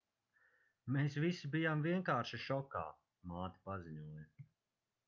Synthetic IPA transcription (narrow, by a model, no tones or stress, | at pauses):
meːs̬visibijamviɛŋkaːɾʃiʃɔka̰ː | maːt̪i̥paziɲuɔjɐ